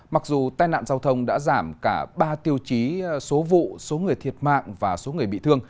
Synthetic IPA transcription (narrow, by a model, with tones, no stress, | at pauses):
ma˨˩k̚zu˨˩t̪aː˧jna̰ː˧˨nzaː˧wt̪ʰə˧wŋ͡mɗa̰ː˧˥zaː˧˩mkaː˧˩ɓaː˧t̪i˧əwt͡ɕi˨˦so˨˦vṵ˧˨so˨˦ŋɨ˨˩əjt̪ʰi˨˩ət̚ma̰ː˧˨ŋvaː˨˩so˨˦ŋɨ˨˩əjɓḭ˧˨t̪ʰɨ˧əŋ